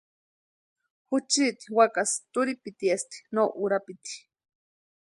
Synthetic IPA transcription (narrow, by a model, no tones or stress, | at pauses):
hut͡ʃit̪i̥wakast̪uɾipit̪iest̪i̥noʔuɾapit̪i̥